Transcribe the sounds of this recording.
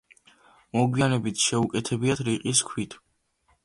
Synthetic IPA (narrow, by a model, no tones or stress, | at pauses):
mɔɡwianɛbit̪ʰʃɛukʼɛt̪ʰɛbiat̪ʰɾiqʼiskʰwit̪ʰ